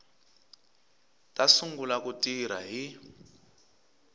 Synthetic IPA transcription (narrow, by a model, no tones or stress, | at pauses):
tʼasuŋɡulakutʼiɾa̰ɦi